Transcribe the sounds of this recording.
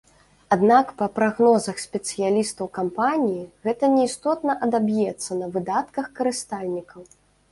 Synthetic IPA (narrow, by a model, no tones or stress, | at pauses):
ad̪nakpɐpɾaɣnɔzɐxsʲpʲɛt̪sɨjalʲist̪ɐwkampanʲijiɣɛt̪ɐnʲɛist̪ɔt̪nɐʔɐd̪abjɛt̪sːɐnɐvɨd̪at̪kɐxkɐɾɨst̪alʲnʲikɐw